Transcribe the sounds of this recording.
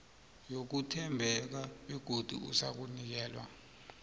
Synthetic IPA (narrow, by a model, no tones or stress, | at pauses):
jok̬utʰɛmbʱɛk̬aɛɡ̥ʱod̥ʱṵṵsak̬unik̬ɛːlwa̰